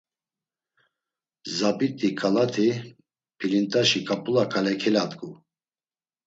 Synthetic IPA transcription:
zapʼit̪ʼikʰalat̪ʰi | pʰilint̪ʼaʃikʼapʼulakʰalɛkʰɛlat̪ʼkʼu

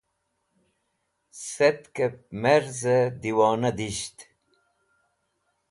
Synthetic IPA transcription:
set̪kep̚meɾzəd̪iwɑːnɐd̪iɕt̪

